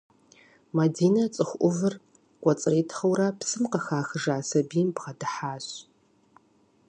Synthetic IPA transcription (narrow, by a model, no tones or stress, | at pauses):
madiːnɐt͡sʼɨxʷʔʷʊvɨr | ɡʷɔt͡sʼɨriːtʰχɐwrɐpsɨmqɐxaːxɨʐaːsɐbiːmbʁɐdɨħaːɕ